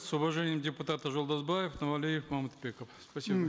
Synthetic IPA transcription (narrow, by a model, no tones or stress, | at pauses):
sʊvɐʐenʲɪjəmdʲɪpʊt̪at̪əʒolˠd̪ɐzbajɪfnɐvɐlʲijɪfmamut̪bʲekəfspɐsʲib